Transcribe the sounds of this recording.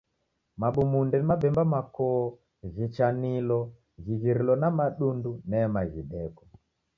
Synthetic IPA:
maɓumundɛnimabɛmbamakɔ | ʒit͡ʃanilɔ | ʒiɣiɾilɔnamaɗundunɛmaʒiɗɛkɔ̥

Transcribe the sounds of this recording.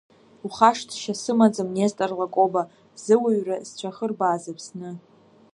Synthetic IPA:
uχaʂtʰʃasɨmad͡zamnestʼarlakʷʼoba | z̥ɨwaɥrazt͡ɕʷʰaχərbaːzapʰsnɨ

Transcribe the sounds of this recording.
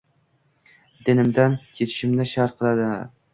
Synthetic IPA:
d̪enɪmd̪ankʲʰet̪ʰɪ̥ʃɪmnɪʃaɾt̪̚qʰɨlˠad̪ɪ

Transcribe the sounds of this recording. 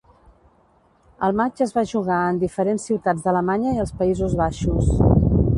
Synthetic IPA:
əlˠmad͡ʒəzβaʒuɣaənd̪ifəɾensːiwt̪ad͡zd̪ələmaɲəiəlˠspəizuzβaʃus

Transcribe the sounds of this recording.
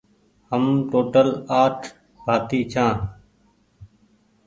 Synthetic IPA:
həmʈoːʈəlaːʈʰ | bʱaːt̪iːt͡ʃʰãː

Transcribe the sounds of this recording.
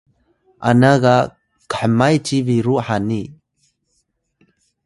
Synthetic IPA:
ʔa̰naɣa | kə̥ħəmajt͡ʃiviɾuħani

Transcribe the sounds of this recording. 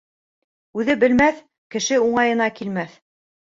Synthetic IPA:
ʉðɘbɘ̆lmæθ | kɘ̆ʃɘuɴɑjɤ̆n̪ɑkilmæθ

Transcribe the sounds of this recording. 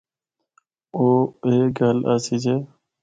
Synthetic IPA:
oːeːɡʱəlaːsiːd͡ʒeː

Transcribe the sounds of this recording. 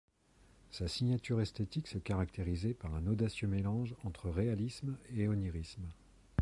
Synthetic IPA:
sasiɲjat̪yʁɛst̪et̪iksɛkaʁak̚t̪eʁizepaʁɛ̃nod̪asjømelɑ̃ʒɑ̃t̪χəʁealismeɔniʁism

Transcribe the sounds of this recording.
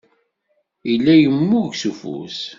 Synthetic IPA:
ilːæjəmːuʝsufṵs

